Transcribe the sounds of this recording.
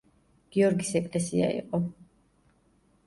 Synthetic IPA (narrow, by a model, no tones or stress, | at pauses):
ɡ̥iɔɾɡisɛkʼlɛsiaḭqʼɔ